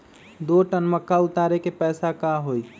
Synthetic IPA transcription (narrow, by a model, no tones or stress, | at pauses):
d̪oʈənməkːaʊt̪aːɾekepɛːsakaɦoi